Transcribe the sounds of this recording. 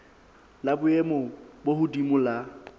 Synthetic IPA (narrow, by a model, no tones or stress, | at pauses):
labʊemɔbohʊdimʊla